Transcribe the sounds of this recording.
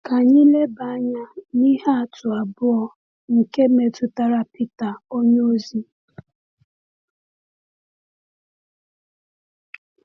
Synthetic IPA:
ka˨ɲi˦le˦ba˨a˦ɲa˦ni˦ɦa˦a˨tʊ˨a˨bʊ˦ɔ˦ | ŋ̩˨ke˦me˨tʊ˨ta˨ɾa˨pi˦ta˨o˦ɲ˦o˦zi˦

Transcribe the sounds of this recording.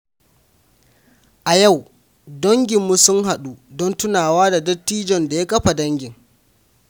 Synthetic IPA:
ʔa˨ja˦˨w | dɔ˦ŋɡʲɪ˨mːu˦sʊ˦ŋɦa˨ɗuː˦dɔ˦ntʊ˦naː˨waː˦da˨dɐ˦tːiː˦d͡ʒɔ˨nda˨ja˦kɐ˦ɸa˨dɐ˦ŋɡʲɪ˨ŋ

